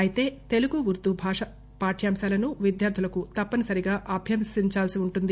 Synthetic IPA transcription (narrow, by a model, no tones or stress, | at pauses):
ɐjit̪e̞ːt̪e̞luɡuʋuɾt̪ubʱaːʂɐ | paːʈʰjaːmsaːlɐnuʋid̪jaːɾd̪ʰʱulɐkut̪ɐpːɐnɐsɐɾiɡaːʔɐbʱjɐmsiɲt͡ʃaːlsiuɳʈund̪i